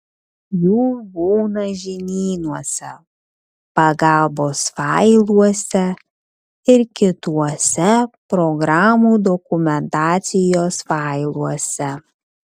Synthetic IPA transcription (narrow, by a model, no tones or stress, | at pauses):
juːbuːnɐʒʲɪnʲiːnuɔsʲɛ | pɐɡɑlˠboːsfɑɪlˠuɔsʲɛ | ɪɾkʲɪt̪uɔsʲɛpɾɔɡɾɑːmuːd̪ɔkʊmʲɛnt̪ɑːt̪sʲɪjoːsfɑɪlˠuɔsʲɛ